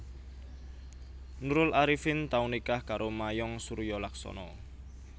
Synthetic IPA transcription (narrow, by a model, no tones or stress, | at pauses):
nuɾʊlaɾifɪnt̪aunikahkaɾʔomajɔŋsuɾjɔlaksɔ̰nɔ